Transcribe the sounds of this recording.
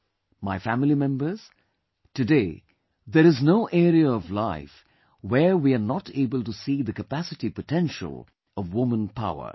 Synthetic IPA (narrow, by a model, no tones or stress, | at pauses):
maɪfæmɪlimɛ̃mbəz̥ | tɨdeɪ | ðəɾɨznoʊʔɛɾiəːvlaɪf | wəɹwiənɑtʰeɪbəlˠtusiðɨkəpæsɨtipətʰɛ̃nʃə̰lˠ | ʌvwʊmə̃npʰa̰ʊə̰˞